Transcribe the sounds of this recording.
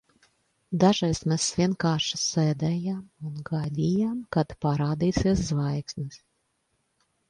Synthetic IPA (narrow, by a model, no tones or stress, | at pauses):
d̪aʒajsmʲɛsvʲiɛnkaːʃi̥sʲɛːd̪ɛːjamunɡad̪ʲijamkat̪paɾaːd̪iːsʲiɛs̬zvajksnʲɨs